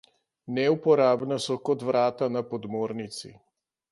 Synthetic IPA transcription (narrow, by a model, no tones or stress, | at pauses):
nɛupɔɾaːbnasɔkɔt̪ʋɾaːt̪anapɔd̪moːɾnit̪sḭ